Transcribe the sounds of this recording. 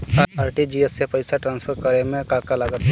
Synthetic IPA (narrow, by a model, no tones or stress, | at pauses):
kaaːɾʈid͡ʒiesːepəɪsaʈɾaːnspʰəɾkəɾemẽkaːkalaɡət̪